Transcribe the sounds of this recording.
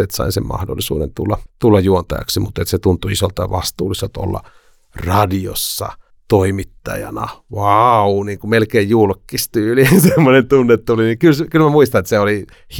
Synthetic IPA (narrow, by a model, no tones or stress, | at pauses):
et̪sɑ̰insemmɑ̰hdo̰lːisṵːdḛnt̪ulːɑt̪ulːɑjjuont̪ɑ̰jɑ̰ksimut̪ːet̪set̪unt̪uisolt̪ɑʋɑst̪ṵːliselt̪o̰lːɑ̰ | rɑdio̰sːɑ̰ | t̪oimit̪ːɑ̰jɑ̰nɑʋɑuniːŋkumelkeːjjulkːist̪yːlisemːonent̪unːet̪t̪ulinikylskylmæmuist̪ɑnet̪seoli | h